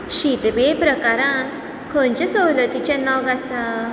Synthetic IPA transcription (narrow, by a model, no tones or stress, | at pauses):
ɕit̪bepɾəkaɾãnt̪ | kʰənt͡ɕasəwlət̪it͡ɕãnɔɡasa